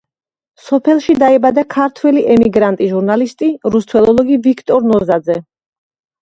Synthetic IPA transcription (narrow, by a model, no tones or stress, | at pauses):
sɔpʰɛlˠʃid̪aɛbad̪akʰaɾt̪ʰwɛliʔɛmiɡɾant̪ʼiʒuɾnalist̪ʼiɾust̪ʰwɛlˠɔlˠɔɡivikʰt̪ʼɔɾnɔzad̪zɛ